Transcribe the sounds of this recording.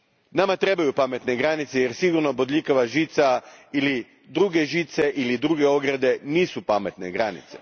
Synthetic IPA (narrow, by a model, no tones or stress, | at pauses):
namat̪ɾe̞bajupame̞t̪ne̞ɡɾanit̪seje̞ɾsiɡuɾnobod̪ʎikaʋaʒit̪saili | d̪ɾuɡe̞ʒit̪se̞ʔilid̪ɾuɡeo̞ɡɾad̪e̞niːsupame̞t̪ne̞ɡɾanḭt̪se̞̥̰